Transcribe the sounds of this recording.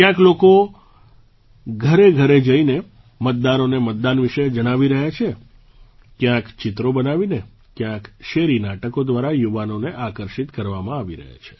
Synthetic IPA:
kjãkloko | ɡʱəɾeɡʱəɾed͡ʒəine | mət̪̚d̪anonemət̪̚d̪anʋiʃəjd͡ʒəɽ̃aʋiɾəɦjat͡ʃʰe | kjãkt͡ʃɪt̪ɾobənaʋine | kjãkʃeɾinaʈəkod̪ʋaɾajuʋanoneʔakəɾʃit̪kəɾʋamãaʋiɾə̰ɦa̰t͡ʃʰe̥

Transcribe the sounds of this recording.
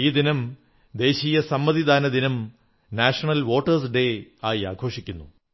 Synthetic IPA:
iːd̪inɐm | d̪e̞ːɕiːjɐsɐmːɐðid̪ʱaːnɐd̪inɐm | naːʂɐɳɐlʋo̞ːʈːɐrs̬ɖe̞aːjiaːɡʰʱo̞ːʂikʲːunːu

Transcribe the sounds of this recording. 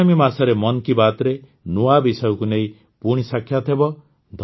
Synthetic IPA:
amimasaɾemɔnkibat̪ɾe | nuabisɔjɔkuneĩ | puɽ̃isakʰjat̪ʰebɔ | d̪ʱ

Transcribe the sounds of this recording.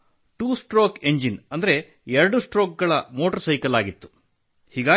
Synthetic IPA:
ʈuːsʈɾoːkeɲd͡ʒinɐnd̪ɐɾe̞ | ɛɾɐɽusʈɾoːk̚ɡɐɭɐmo̞ːʈɐɾsɐjkɐlaːɡit̪ːu̥ | hiːɡaː

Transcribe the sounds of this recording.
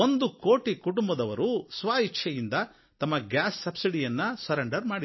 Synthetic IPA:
ond̪ukoːʈikuʈumbɐd̪ɐʋɐɾusʋaːɦikt͡ʃʰɐjind̪ɐ | t̪ɐmːɐɡjaːsːɐbsiɽijɐnːɐsɐɾɐɳɖɐɾmaːɽi

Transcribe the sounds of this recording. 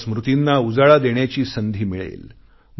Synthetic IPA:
smɾut̪inːaud͡zaɭad̪eɳjat͡ɕiːsənd̪ʱiːmiɭḛl | m

